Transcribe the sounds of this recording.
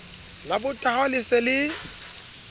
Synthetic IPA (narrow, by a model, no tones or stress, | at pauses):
labʊtʼahalɪsɛlɪ